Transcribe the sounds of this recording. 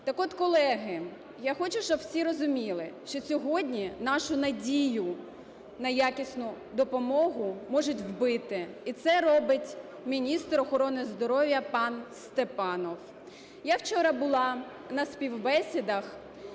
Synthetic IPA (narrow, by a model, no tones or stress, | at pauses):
t̪ɐkɔt̪kɔlˠɛɦɪ | jaxɔt͡ʃʊʃɔbwsʲiɾɔzʊmʲilˠɪʃt͡ʃɔsʲɔɦɔdʲnʲinɑʃʊnɐdʲijʊ | nɐjakʲisʲnʊ | d̪ɔpɔmɔɦʊmɔʒʊtʲwbɪt̪ɪit̪sɛɾɔbɪtʲ | mʲinʲist̪ɾɔxɔɾɔnɪzd̪ɔɾɔʋʲjɐpɑnst̪epɑnɔw | jawt͡ʃɔɾɑbʊlˠɑ | nɐspʲiwbɛsʲid̪ɐx